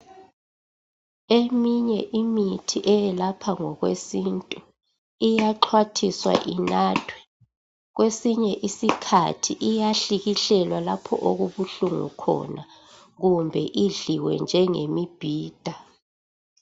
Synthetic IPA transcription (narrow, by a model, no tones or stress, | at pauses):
emiɲɛʔimitʰiʔɛjɛlapʰaŋɔɣwesintʼu | ijaǃʰwatʰiswa̰ʔinaːtʰwɛ̥ | ɣwesiɲɛʔisikʰa̰tʰiʔijaɬiɣiɬɛlwalapʰɔ̰ʔoɣuβuɬuŋṵkʰɔ̰na | ɣumbʱɛʔiɮiwɛ̰nd͡ʒʱɛŋemib̥ʱiːd̥ʱa